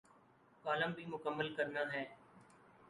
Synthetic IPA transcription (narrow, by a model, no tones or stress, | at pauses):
kaːləmbʱiːmʊkəmːəlkəɾnaːɦɛː